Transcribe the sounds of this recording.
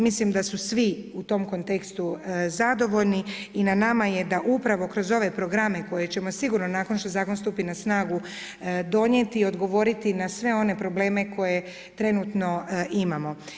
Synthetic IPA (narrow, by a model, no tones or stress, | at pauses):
mislimd̪asusʋiut̪o̞mko̞nt̪ekst̪uzad̪o̞ʋo̞ʎniːnanamaje̞d̪aʔupɾaʋo̞kɾo̞zo̞ʋe̞pɾo̞ɡɾame̞ko̞je̞t͡ɕe̞mo̞siɡuɾnonaːkonʃt̪o̞zaːkonst̪uːpinasnaːɡu | d̪o̞ɲje̞t̪iːo̞d̪ɡo̞ʋo̞ɾit̪inasʋe̞o̞ne̞pɾo̞ble̞ːme̞ko̞je̞ | t̪ɾe̞nuːt̪no̞imamo̞